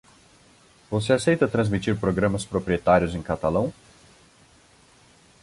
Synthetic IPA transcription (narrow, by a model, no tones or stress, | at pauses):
voseasejt̪ɐt̪ɾɐ̃zmit͡ʃiɾpɾoɡɾɐ̃mɐspɾopɾiet̪aɾjʊzẽkat̪alɐ̃w̃